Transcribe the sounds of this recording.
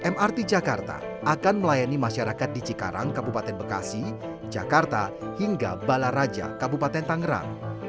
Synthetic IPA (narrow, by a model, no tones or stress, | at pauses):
ʔɛmart̪id͡ʒakart̪a̰ | ʔakanməlajanimaʃaɾakat̪̚dit͡ʃika̰ɾa̰ŋkabupat̪ɛnbəka̰si | d͡ʒa̰kart̪a | hiŋɡa̰balaɾad͡ʒa̰kabupat̪ɛnt̪aŋɡəɾa̰ŋ